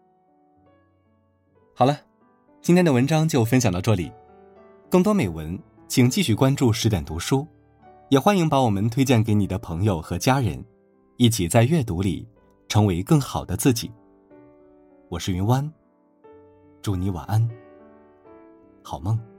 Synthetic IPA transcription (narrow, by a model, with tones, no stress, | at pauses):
xɑ˨˩ʊlɐ˦ | t͡ɕi˥nt̪ʰjɛ˥nd̪ə˨wə˧˥nʈ͡ʂɑ˥ŋt͡ɕjo˥˩ʊfə˥nɕjɑ˨˩lə˧˥ʈ͡ʂɤ˥˩lḭ˨˩˦ | kɤ˥˩ŋt̪wɔ˥me˨˩ɪwə˧˥n | t͡ɕʰi˨˩ŋt͡ɕi˥˧ɕy˥˩kwa˥nʈ͡ʂu˥˩ʂɻ̩˧˥t̪jɛ˨˩nt̪u˧˥ʂu˥ | jɛ˨˩xwa˥nji˧˥ŋpa˧˥wɔ˨˩mə˧˦nt̪ʰwe˥ɪt͡ɕjɛ˥˩nke˧˥ɪni˨˩d̪ə˦pʰɤ˧˥ŋjo˨˩ʊxɤ˧˥t͡ɕja˥ɻə̰˧˥n | i˥˩t͡ɕʰi˨˩t͡sa˥˧ɪɥɛ˥˩t̪u˧˥lḭ˨˩ | ʈ͡ʂʰɤ˧˥ŋwe˧˥ɪkɤ˥˩ŋxɑ˨˩ʊd̪ə˦t͡sɹ̩˥˩t͡ɕḭ˨˩˦ | wɔ˨˩ʂɻ̩˥˩y˧˥nwa˥n | ʈ͡ʂu˧˥˩ni˧˥wa̰˨˩ʔa˥n | xɑ˨˩ʊmɤ˥˩ŋ